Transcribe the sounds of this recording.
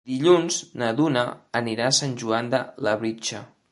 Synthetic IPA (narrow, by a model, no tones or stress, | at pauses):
d̪̥iʎunz̥nəðunəːniɾasanʲʒuand̪ələβɾit͡ʃə